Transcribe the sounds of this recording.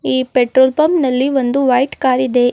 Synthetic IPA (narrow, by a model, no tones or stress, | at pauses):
iːpeʈɾoːlpɐmnɐlːiʋond̪uʋɐjʈkaːɾid̪e̞